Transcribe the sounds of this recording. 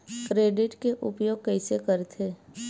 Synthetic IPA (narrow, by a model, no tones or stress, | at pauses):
kɾeːɖɪʈkeʔʊ̰pjoːɡ̚kɛɪsekəɾt̪ʰeː